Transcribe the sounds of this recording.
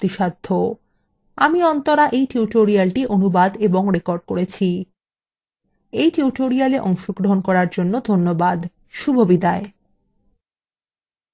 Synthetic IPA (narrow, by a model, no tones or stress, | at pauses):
t̪iʃad̪ʱːo | amiɔnt̪oɾaʔejʈiuʈoɾialʈiʔonubad̪eboŋɾekoɾɖ̚koɾet͡ɕʰi | ejʈiuʈoɾialeʔɔŋʃoɡɾoɦonkɔɾaɾd͡ʑonːod̪ʱonːobad̪ | ʃubʱobid̪ae